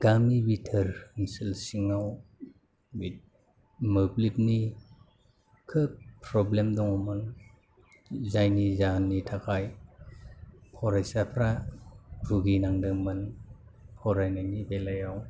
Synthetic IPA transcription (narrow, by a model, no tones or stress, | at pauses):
ɡ̥amiwitʰəɾŋsɯlsiŋaw | wit | mɯplit̚ni | kʰɯpʰɾɔblemdɔŋɔmɯn | zajnizanːitʰakʰaj | pʰɔɾajsapʰɾa | ɾuɡinaŋdɯmɯn | pʰɔɾajnajnibelajaw